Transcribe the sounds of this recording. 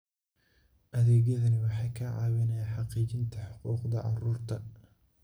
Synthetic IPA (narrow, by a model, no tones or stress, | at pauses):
ʔɐðɛːɣjɐðɐnɪwɑħɑjkʰɐʕɑ̰ːwɪnɛjaħɑqiːt͡ʃɪnt̪ʰɐħʊquːqd̪ɐʕɑ̰ruːrt̪ʰɐ